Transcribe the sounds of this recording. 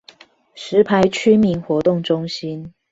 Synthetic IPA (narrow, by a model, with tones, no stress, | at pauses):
ʂɻ̩˧˥pʰa˧˥ɪt͡ɕʰy˥mi˧˥nxwɔ˧˥t̪ʊ˥˩ŋʈ͡ʂʊ˥ŋɕi˥n